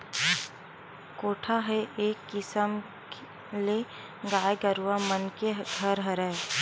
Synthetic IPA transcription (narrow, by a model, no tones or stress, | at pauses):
koːʈʰaɦeʔeːkːɪsəm | le | ɡaːeɡəɾuamənkeɡʱəɾɦəɾɛː